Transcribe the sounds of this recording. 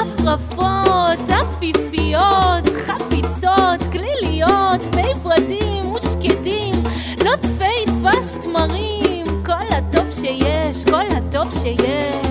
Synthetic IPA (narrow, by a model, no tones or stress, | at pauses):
afʁafothafifijot̪χafit͡sotklilijotmejfʁadimːuʃkedim | notfejt̪vaʃtmaʁimkolhatovʃejɛʃkolhatovʃejeʃ